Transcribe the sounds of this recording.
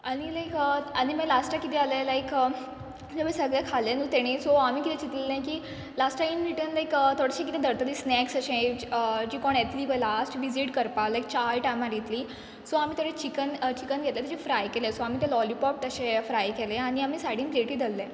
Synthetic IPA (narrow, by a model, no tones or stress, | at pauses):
aɽ̃ilajkəaɽ̃imalasʈakit̪ʰɛalẽlajkə | d͡zəbesəɡɭakʰalẽnut̪eɽ̃isɔamiːkit̪ʰɛ̃t͡ɕit̪lelãjkiː | lasʈʈajmɾiʈənlajkət̪ʰoɽeɕẽkit̪ʰɛ̃d̪əɾt̪əliːsnɛksəɕẽəd͡ʑiːkɔɳet̪ʰliːʋəlasʈʋid͡ziʈkəɾpalajk̚t͡ɕajʈajmaɾit̪liː | sɔam̤iːt̪ʰoɽet͡ɕikənt͡ɕikənɡʱet̪let̪ed͡ʑifɾajkelẽsoam̤iːt̪elɔlipɔp̚ːəɕẽfɾajkeleaɽ̃iamiːsaɽĩŋɡpleʈiːd̪ʱəlːẽ